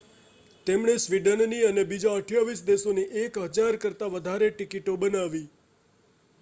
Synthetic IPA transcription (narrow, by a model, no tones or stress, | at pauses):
t̪emɳesʋiɖənniənebid͡ʒaəʈʰjaʋisd̪esoneʔekɦəd͡ʒaɾkəɾt̪aʋəd̪ʱaɾeʈikiʈobənaʋi